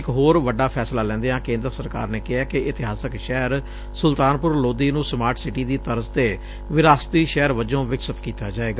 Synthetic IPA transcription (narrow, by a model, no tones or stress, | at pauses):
ɪkɦoːɾʋəɖːaːpʰɛːslaːlɛ̃ːnd̪eːãːkẽːnd̪ɾəsəɾka̰ːɾneːkɪɦaːkɪɪt̪ɪɦaːsəkʃɛːəɾ | sʊlt̪aːnpʊɾloːd̪iːnũːsəmaːɾʈʰsɪʈiːd̪iːt̪əɾzt̪eː | ʋɪɾaːst̪iːʃɛːɾʋəd͡ʒõːʋɪksət̪kiːt̪aːd͡ʒaːeːɡaː